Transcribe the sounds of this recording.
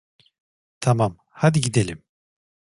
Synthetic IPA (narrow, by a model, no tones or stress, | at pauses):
t̪ʰamam | had̪iɟid̪elʲim